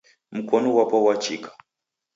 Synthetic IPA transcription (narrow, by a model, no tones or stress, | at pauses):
m̩kʰɔnɔwapɔwat͡ʃikḁ